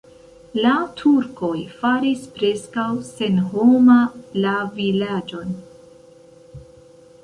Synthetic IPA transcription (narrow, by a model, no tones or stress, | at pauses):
latʰuɾko̞jfaɾispɾe̞skawse̞nho̞malavilad͡ʒo̞n